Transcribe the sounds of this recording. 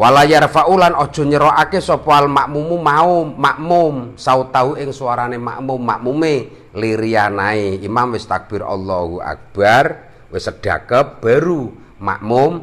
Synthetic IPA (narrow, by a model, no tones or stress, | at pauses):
walajarfaʔulanɔd̥ʒ̥ɔ̤ɲəɾɔʔakesɔpoalmaʔmumumaʊmːaʔmʊmsaut̪aɦuɪŋsuaɾanema̰ʔmʊmːaʔmume | liɾianaeimamwɪst̪ak̚b̥ɪrɔ̰lːɔhua̰k̚b̥ar | wɪsəɖ̥a̰kəp̚b̥a̤ɾu | ma̰ʔmʊm